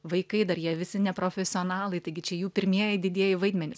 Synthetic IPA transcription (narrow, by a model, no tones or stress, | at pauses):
ʋɐɪkɐɪd̪ɐɾjiɛʋʲɪsʲɪnʲɛpɾoːfʲɛsʲɪoːnɑːlˠɐɪt̪ɐɪɡʲɪt͡ʃʲɛjuːpʲɪɾʲmʲiɛjɛɪd̪ʲɪd̪ʲiɛjɪʋɐɪd̪ʲmʲɛnʲɪs